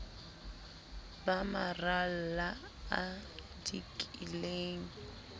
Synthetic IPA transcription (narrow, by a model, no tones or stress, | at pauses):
bamaral̩la | a | dikʼileːŋ̩